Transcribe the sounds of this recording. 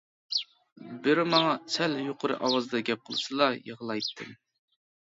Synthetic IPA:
bɪɾmɑŋɑsɛljoqʰʊɾɨ̰ʔɑwɑzd̪ɑɡʲɛp̚qʰəlˠɨsɨlˠɑjəʁlˠɑjt̪ʰːɨm

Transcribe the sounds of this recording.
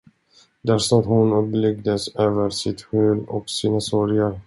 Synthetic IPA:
d̪æʂɔt̪hʊnɵpːlʏɡ̚d̪əsøːvəɾsɪt̪ɧʉ̟ːlɔ̰ksiːnasɔɾjaɾ

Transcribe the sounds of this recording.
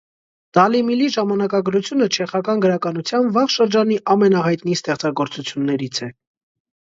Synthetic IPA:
d̪̥ɑlimiliʒɑmɑnɑkɑɡɾut͡sʰjunət͡ʃʰɛχɑkɑnɡəɾɑkɑnut͡sʰjɑnvɑʁʃəɾd͡ʒɑniʔɑmɛnɑɦɑjt̪nist̪ɛχt͡sɑɡɔɾt͡sut͡sʰjunːɛɾit͡sʰɛ

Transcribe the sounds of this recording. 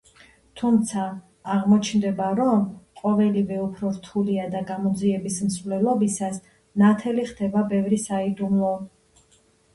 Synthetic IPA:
t̪ʰumt̪sʰaː | ʁmɔt͡ʃʰnd̪ɛbaɾɔmqʼɔvɛlivɛupʰɾɔɾt̪ʰuliad̪aɡamɔd̪ziɛbismsvlɛlˠɔbisas | nat̪ʰɛliχd̪ɛbabɛvɾisaid̪umlˠɔ

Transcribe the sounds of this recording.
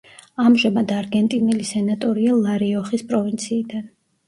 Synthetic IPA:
amʒamad̪aɾɡɛnt̪ʼinɛlisɛnat̪ʼɔɾialˠaɾiɔχispʼɾɔvint̪sʰiːd̪an

